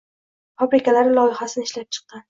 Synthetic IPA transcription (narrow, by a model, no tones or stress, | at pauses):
fabɾɪkʲʰalaɾɪlˠɒjɪχasɪnɪʃlap̚t͡ʃʰɨ̥q̚ːɑn